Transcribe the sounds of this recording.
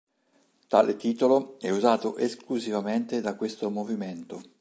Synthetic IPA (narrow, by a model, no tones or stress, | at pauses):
t̪aːlet̪iːt̪oloɛuzaːt̪oʔeskluzivament̪ed̪akːwest̪omoviment̪o